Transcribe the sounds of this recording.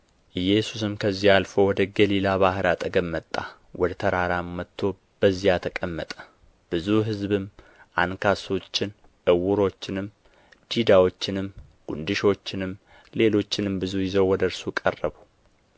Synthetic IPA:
ʔɨjːɛsus̬ɨmkʰəzːialfo̞wɔd̪əɡəlilaβahɨɾat̪ʼəɡəmːət̪ʼːa̰ | wɔd̪ət̪ʰəɾaɾamːət̪ʰːo̞ | b̥əzːijat̪ʰəkʼəmːət̪ʼə̥ | b̥ɨzuɦɨzbɨm | ʔankʰaso̞t͡ʃːɪn | ʔɨwʊɾo̞t͡ʃːɪnɨm | d̪̥id̪awo̞t͡ʃːɪnɨm | ɡ̥ṵnd̪ɨʃo̞t͡ʃːɪnɨm | le̞lo̞t͡ʃːɪnɨmbɨzujɪzəwwɔd̪əɾsukʼərːəβu

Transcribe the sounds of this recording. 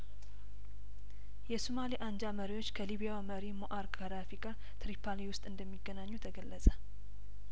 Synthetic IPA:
jɛsumaliʔaɲd͡ʒaməɾiwo̞t͡ʃːkʰəliβijawməɾimoʔaɾkʼaɾafikʼa | t̪ʰɾipʰaliwʊst̪ʼɨnd̪əmːiɡːənaɲːut̪ʰəɡəlːəsʼə

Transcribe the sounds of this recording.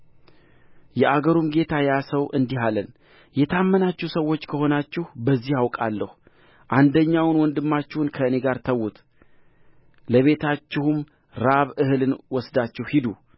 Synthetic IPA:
jɛʔaɡəɾumɡe̞t̪ʰajasəwʔɨnd̪iɦalən | jɛt̪ʰamːənat͡ʃːɛhsəwːo̞t͡ʃːkʰəho̞nat͡ʃːɪhbəzːihawkʼalːəh | ʔand̪əɲːawnwɔnd̪ɨmːat͡ʃːɪhunkʰəɨne̞ɡaɾt̪ʰəwːut̪ʰ | ləβe̞t̪ʰat͡ʃːɪhum | ɾaβɨhɨlɨnwɔsd̪at͡ʃːɪhhid̪u

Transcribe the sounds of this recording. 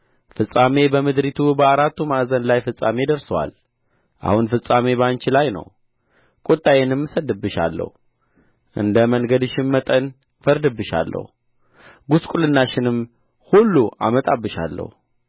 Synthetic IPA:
fɨsʼame̞bəmɨd̪ɾit̪ʰubəaɾat̪ːumaʔzənlajfɨsʼːa̰me̞d̪əɾsəwa̰l | ʔa̰hunfɨsʼame̞βəant͡ʃɪlajnə̰w | kʼot̪ʼːajenɨmːsəd̪ɨbːɨʃa̰lːə̰hu | ʔɨ̰nd̪əməŋɡəd̪ɨʃɪmmət̪ʼən | fəɾd̪ɨbːɨʃa̰lːə̰hu | ɡuskʼulɨnːaʃɪnɨm | hulːuʔa̰mət̪ʼabːɨʃa̰lːə̰hu

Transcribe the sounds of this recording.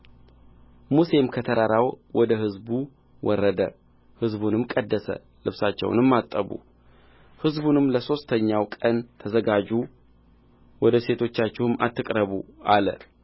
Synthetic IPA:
muse̞mkʰət̪ʰəɾaɾawwɔd̪əhɨzbu | wɔrːəd̪ə̰ | hɨzbunɨmkʼəd̪ːəsə̰ | lɨβsat͡ʃːɛ̰w̰nɨmːat̪ʼːəβṵ | hɨzbunɨmləso̞st̪ʰəɲːawkʼənt̪ʰəzəɡad͡ʒu | wɔd̪əse̞t̪ʰo̞t͡ʃːat͡ʃːɛhɨma̰t̪ːɨkʼɾəβṵalə̰

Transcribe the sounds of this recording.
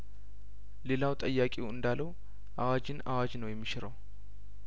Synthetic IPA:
le̞lawt̪ʼəjːakʼewɨnd̪alːəw | ʔawad͡ʒɪnawad͡ʒnəwjɛmːiʃɪɾəw

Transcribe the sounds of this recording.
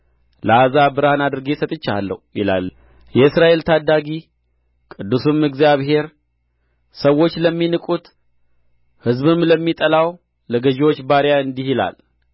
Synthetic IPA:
ləazabɨɾhanad̪ɨɾɨɡesət̪ʼɨt͡ʃːa̰lːə̰hujɪla̰l | jɛɨsɾaʔe̞lt̪ʰad̪ːaɡi | kʼɨd̪ːusumɨɡzijaβɦe̞ɾ | səwːo̞t͡ʃːləmːinɨkʼut̪ | hɨzβɨmləmːit̪ʼəlaw | ləɡəʒiwo̞t͡ʃːbaɾjaɨnd̪ihila̰l

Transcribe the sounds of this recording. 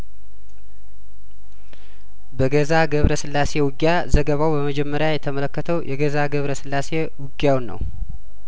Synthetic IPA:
bəɡəzaɡəβɾəsɨlːase̞wʊɡja | zəɡəβawbəməd͡ʒɛmːəɾjajɛt̪ʰəmələkːət̪ʰəwjʔɛɡəzaɡəβɾəsɨlːase̞ | wʊɡjawnːə̰w

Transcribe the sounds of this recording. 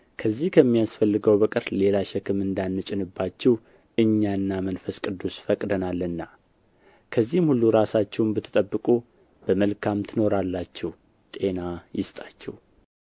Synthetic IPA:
kʰəzːihkʰəmːijasfəlːɨɡəwbəkʼɨɾle̞laʃɛkʰɨmɨnd̪anːɨt͡ʃʼɪnɨbːat͡ʃːɛh | ʔɨɲːanːamənfəskʼɨd̪ːusfəkʼd̪ənalːɨnːa | kʰəzːihmhulːuɾasat͡ʃːɛwmbət̪ʰːɨ̥t̪ʼəbːɨkʼu | b̥əməlkʰamt̪ʰɨno̞ɾalːat͡ʃːɛh | t̪ʼe̞najɪst̪ʼat͡ʃːɛh

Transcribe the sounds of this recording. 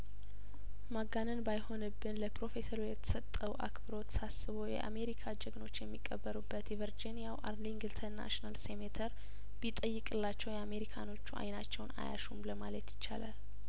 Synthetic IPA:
maɡːanɨnbajho̞nɨbːɨnləpɾo̞fe̞səɾujɛt̪ʰə̥sət̪ʼːəwʔa̰kbɨɾo̞t̪ːsasɨβojɛ̰ʔa̰me̞ɾikʰad͡ʒɛɡno̞t͡ʃːjɛmːikʼːəbːəɾubːət̪jɛvəɾd͡ʒinjawʔa̰ɾliŋɡɨlt̪ʰəɾna̰ʃinalsemet̪ʰəɾ | bit̪ʼːəjːɨkʼɨlːat͡ʃːɛwjɛame̞ɾikʰano̞t͡ʃːua̰jnat͡ʃːɛwna̰ja̰ʃumləmalət̪jɪ̥t͡ʃːa̰lal

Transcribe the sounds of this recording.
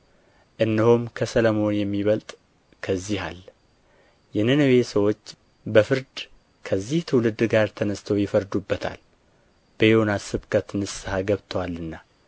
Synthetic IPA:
ʔɨnːɨhomkʰəsələmo̞njɛmːiβəlt̪ʼ | kʰəzːiɦa̰l | jɛnɨnəwe̞səwo̞t͡ʃː | bəfɨɾd̪ | kʰəzːiht̪ʰɨwlɨd̪ɡaɾt̪ʰənəst̪ʰəwjɪfəɾd̪ubːət̪ʰa̰l | b̥əjonasɨβkʰʼət̪nɨsahaɡəβt̪ʰəwalːɨnːa

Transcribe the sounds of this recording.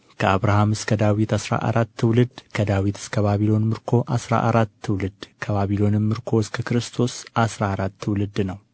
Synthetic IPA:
kʰəaβɾahamɨskʰəd̪awit̪asɾa̰ʔa̰ɾat̪ʰːɨwlɨd̪kʰəd̪awit̪ʰɨ̥skʰəβaβilo̞nmɨɾkʰo̞ʔasɾa̰ʔaɾat̪ʰːɨwlɨd̪kʰəβaβilo̞nɨnmɨɾkʰo̞ɨskʰəkɨɾɨst̪ʰo̞sʔasɾaːɾat̪ʰːɨwlɨd̪nəw

